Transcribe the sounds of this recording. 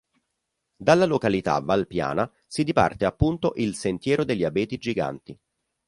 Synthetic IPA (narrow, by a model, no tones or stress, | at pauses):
d̪alːalokalit̪a̰valpja̰ːna | sid̪ipa̰rt̪eapːunt̪oʔilsent̪jɛːɾod̪elʎːiabɛːt̪id͡ʒiɡa̰nt̪i